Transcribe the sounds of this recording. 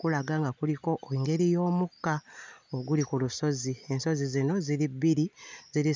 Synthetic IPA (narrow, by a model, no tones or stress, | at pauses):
kulaɡaŋɡakuliko̞ʔoiŋɡe̞ɾijo̞ːmukaoɡulikuluso̞zie̞nso̞zizino̞zilibiɾiziɾi